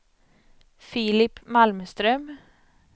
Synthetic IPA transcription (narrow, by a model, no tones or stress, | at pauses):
filɪpmalmst̪ɾœm